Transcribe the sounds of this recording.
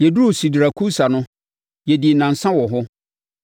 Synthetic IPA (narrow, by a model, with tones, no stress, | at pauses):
je˨du˦u˨si˨dɾa˨kʰu˦sa˨nʊ̃˦ | jɛ˨di˨nã˨n̩˨sã˦wɔ˨ɦʊ˦